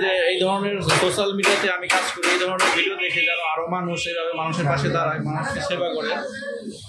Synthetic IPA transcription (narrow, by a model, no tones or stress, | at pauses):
d͡ʑeejd̪ʱɔɾoneɾsoʃalmiɖijat̪eamikad͡ʑkoɾiejd̪ʱɔɾoneɾbʱiɖiod̪ekʰed͡ʑɛnoaɾomanuʃejbʱabemanuʃeɾpaʃed̪aɾajmanuʃkeʃebakɔɽe